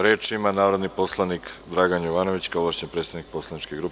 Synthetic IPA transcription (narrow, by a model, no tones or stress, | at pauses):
ɾeːt͡ʃimanaːʋɾo̞d̪nipo̞slˠanikd̪ɾaːɡanjoʋaːno̞ʋit͡ɕkaoʋaʃɲenpɾet̪aʋnik̚po̞slˠanit͡ʃkeɡɾup